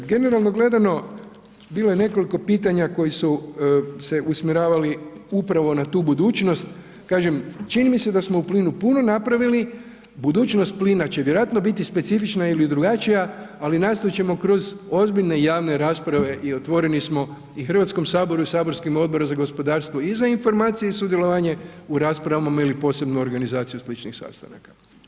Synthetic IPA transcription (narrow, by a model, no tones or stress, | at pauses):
ɡe̞ne̞ɾalˠno̞ɡle̞d̪ano̞ | biːlojene̞ko̞liko̞piːt̪aɲako̞jisu | se̞ʔusmʲjiɾaːʋaliupɾaʋo̞nat̪uːbud̪uːt͡ʃno̞st̪ | kaːʒemt͡ʃinimise̞d̪asmo̞upliːnupuno̞napɾaʋili | bud̪uːt͡ʃno̞st̪̚pliːnat͡ɕeʋjeɾojat̪no̞bit̪ispe̞t̪sifit͡ʃnailid̪ɾuɡat͡ʃijaalinaːst̪oit͡ʃe̞mo̞kɾo̞zo̞zbiʎne̞jaːʋne̞ɾaːspɾaʋe̞ʔio̞t̪ʋo̞ɾenismo̞ | ixər̩ʋat̪sko̞msaːbo̞ɾuisaːbo̞ɾskimo̞d̪̚bo̞ɾozaɡo̞spo̞d̪aːɾst̪ʋoizainfo̞ɾmaːt̪sijeisud̪jeloʋaɲe̞uɾaːspɾaʋamamailipo̞ːse̞bnuoɾɡanizaːt̪sijuslit͡ʃnixsa̰st̪a̰na̰kḁ